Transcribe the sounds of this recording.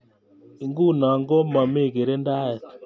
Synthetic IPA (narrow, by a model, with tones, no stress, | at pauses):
i˨ŋɡu˦˨na˨ŋɡɔ˦ma˨me˦˨ke˨ɾe˦nda˦ɛ˨t